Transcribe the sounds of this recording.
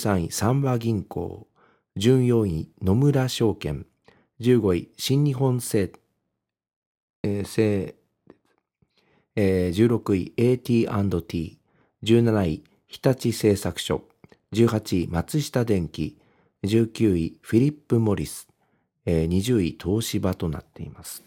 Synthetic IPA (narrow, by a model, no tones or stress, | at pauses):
sãɰ̃ḭ̃sãmbaɡʲĩŋko̞̰ː | d͡ʑɨ̃ɰ̃jõ̞ɰ̃ĩno̞mɯ̟ɾaɕo̞ːkẽ̞̰ŋ | d͡ʑɨːɡo̞iɕĩɲɲiɦõ̞seː | se̥ | d͡ʑɨːɾo̞kɯ̟ḭeːt̪ʲiːãnd̪o̞t̪ʲiː | d͡ʑɨːnanai | çi̥t̪at͡ɕise̞ːsakɯ̟̥ɕo̞̰ | d͡ʑɨːɦat͡ɕimat͡sɨɕi̥t̪ad̪ẽ̞ŋkʲi | d͡ʑɨːkʲɨːiɸiɾʲipːɯ̟mo̞ɾʲisɨ̥ | ɲ̟iʑɨːit̪ʰo̞ːɕibat̪o̞na̰t̪ːe̞̰imasɨ̥